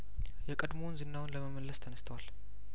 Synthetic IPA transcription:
jɛkʼəd̪mownzɨnːawnləməməlːəst̪ʰənəst̪ʰəwal

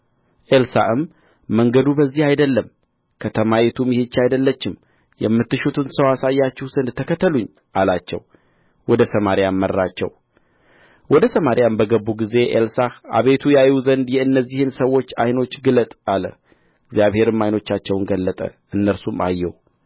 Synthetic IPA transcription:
ʔelsa̰ʔɨmː | əŋɡəd̪ubəzːihajd̪əlːəm | kʰət̪ʰəmajɛt̪ʰumjɪhet͡ʃːajd̪əlːət͡ʃːɪm | jɛ̰mːɨt̪ːɨʃut̪ʰɨnsəwasajːat͡ʃːɛhwzənd̪t̪ʰəkʰət̪ʰːəluɲː | ʔalat͡ʃːɛ̰w | wɔd̪əsəmaɾijamːəɾːat͡ʃːɛ̰w | wɔd̪əsəmaɾjambəɡəbːuɡize̞ʔḛlsaha̰βe̞t̪ʰujajuzənd̪jɛɨnːəzːihɨnsəwːo̞t͡ʃːajno̞t͡ʃːɡɨlət̪ʼalə̰ | ɪɡzijaβhe̞ɾɨmːajno̞t͡ʃːat͡ʃːɛwnɡəlːət̪ʼə̰ | ɨnːəɾsuma̰jːɛ̰w

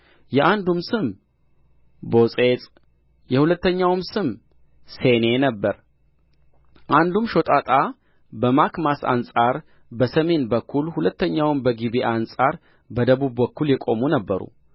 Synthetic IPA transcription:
jɛʔand̪umsɨm | bo̞sʼe̞t͡s̪ʼ | jɛhulət̪ːəɲːawmsɨm | se̞ne̞nəbːəɾ | ʔand̪umʃo̞t̪ʼat̪ʼa | bəmakmasa̰nsʼaɾ | bəsəme̞nbəkʰːulhulət̪ʰːəɲːawɨmbəɡibeʔansʼaɾ | bəd̪əβuβːəkːuljɛkʼo̞munəbːəɾṵ

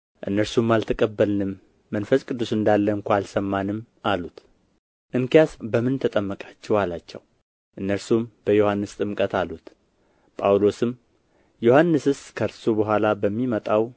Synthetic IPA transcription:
ʔɨ̰nːəɾsumːalt̪ʰəkʼəbːəlnɨmː | ənfəskʼɨd̪ːusɨnd̪alːəɨŋkʰʷaalsəmːanɨm | alut̪ | ʔɨŋkjasbəmɨnt̪ʰət̪ʼəmːəkʼat͡ʃːɛwalat͡ʃːɛ̰w | ʔɨnːəɾsumb̥əjo̞hanːɨst̪ʼɨmkʼət̪ʰalut̪ | pʼawlo̞sɨm | johanːɨsɨskʰəɾsubəɦʷalabəmːimət̪ʼaw

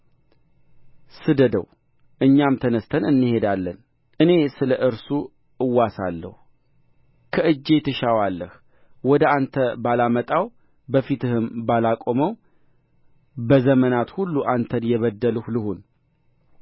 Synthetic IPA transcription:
sɨd̪əd̪ə̰w | ʔɨɲːamt̪ʰənəst̪ʰənɨnːɨhe̞d̪alːən | ʔɨne̞sɨləʔɨɾsu | ʔɨwːasa̰lːə̰hu | kʰəʔɨd͡ʒːe̞t̪ʰɨʃawalːəh | wɔd̪əant̪ʰəbalamət̪ʼaw | bəfit̪ɨhɨmbalakʼo̞məw | bəzəmənat̪hulːuʔant̪ʰənjɛβəd̪ːəlɨhlɨhun

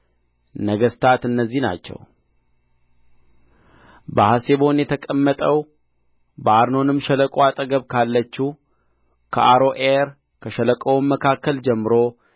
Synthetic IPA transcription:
nəɡəst̪ʰat̪ɨnːəzːina̰t͡ʃːɛ̰w | bəhaseβo̞njɛt̪ʰəkʼəmːət̪ʼəw | bəaɾno̞nɨmʃɛləkʼoat̪ʼəɡəβkʰalːət͡ʃːu | kʰəʔaɾo̞ʔeɾ | kʰəʃələkʼəwmːəkʰakːəld͡ʒɛmːɨɾo̞

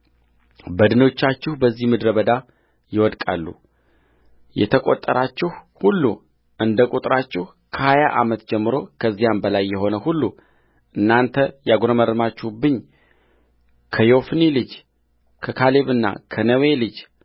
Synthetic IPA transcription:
bəd̪ɨno̞t͡ʃːat͡ʃːɪhubəzːihmɨd̪ɾəβəd̪a | jɪwɔd̪kʼa̰lːṵ | jɛ̰t̪ʰəkʼo̞̰t̪ʼːəɾʔat͡ʃːɪhhulːu | ʔɨnd̪əkʼut̪ʼɾat͡ʃːɪh | kʰəhajaʔa̰mət̪d͡ʒɛmːɨɾo̞kʰəzːijambəlajːɛɦo̞nəhulːu | ʔɨnːant̪ʰəjaɡɾəməɾɨmat͡ʃːɪhubɨɲː | kʰəjo̞fnilɨd͡ʒ | kʰəkʰaleβɨnːa̰kʰənəwelɨd͡ʒ

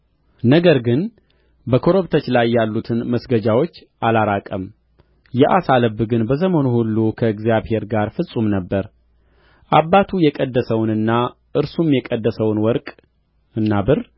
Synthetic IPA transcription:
nəɡəɾɡɨn | bəkʰo̞ɾoβt̪ʰət͡ʃlajːalːut̪ʰɨnməsɡəd͡ʒawo̞t͡ʃːʔalaɾakʼəm | jɛʔasaləbːɨɡɨnbəs̬əmo̞nuhulːukʰəɨɡzijaβhe̞ɾɡaɾfɨsʼumnəbːəɾ | ʔabːat̪ʰujɛkʼəd̪ːəsəwnɨnːa | ʔɨɾsumjɛkʼəd̪ːəsəwnwɔɾkʼ | ɨnːabɨr

